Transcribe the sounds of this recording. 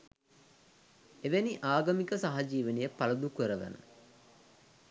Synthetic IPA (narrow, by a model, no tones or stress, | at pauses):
eʋeniʔaːɡɐmikəsaɦad͡ʒiːʋənijəpaləd̪ukəɾəʋə̰nə̰